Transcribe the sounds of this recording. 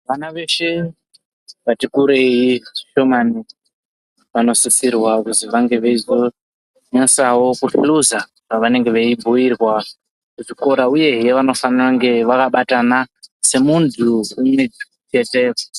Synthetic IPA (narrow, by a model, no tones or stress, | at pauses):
ʋanaʋe̞ʃe | ʋatikuɾe̞jiʃo̞mani | ʋano̞sisirwakuziʋaŋɡe̞ʋe̞izo | ɲesawo̞kufiluza | paʋane̞ŋɡe̞ʋeibʱuirwa | kuʐiko̞ɾauje̞ɦjeʋano̞faniraŋɡe̞ʋakaɓatanase̞muntʰuːmwe̞d͡ʒiut͡ʃe̞te